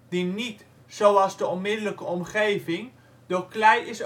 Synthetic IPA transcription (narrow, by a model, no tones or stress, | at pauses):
dinit | sowɑlˠzdəɔnmɪdələkəɔmχejvɪŋ | d̥oklɛjɪs